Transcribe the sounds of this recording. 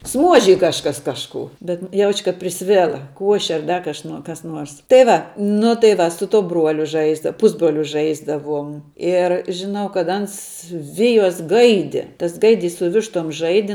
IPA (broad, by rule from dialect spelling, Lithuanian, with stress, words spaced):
ˈsmuɔʒʲɪj kɐʃˈkɐs ˈkɑːʃkuː bʲɛt ˈjɛʊt͡ʃʲ kɐt pʲrʲɪˈsʲʋʲæːlˠɐ ˈkuɔʃʲɛ ɐr ˈdɐr kɐʃ kɐs ˈnuɔrs tɐɪ ˈʋɐ nʊ tɐɪ ˈʋɐ sʊ ˈtuɔ ˈbruɔlʲʊ ˈʒɐɪzdɐ ˈpʊzbroːlʲʊ ˈʒɐɪzdɐʋuɔm ɪr ʒʲɪˈnɐʊ kɐt ˈɐns ˈʋʲɪjoːs ˈɡɐɪdʲɪ tɐs ˈɡɐɪdʲiːs sʊ ˈʋʲɪʃtoːm ˈʒɐɪdʲɪ